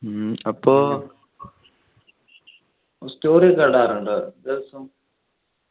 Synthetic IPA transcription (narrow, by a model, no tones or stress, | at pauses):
ɐpːoː | stoːɾikɐɖaːɾuɳɖɨd̪eʋɐsum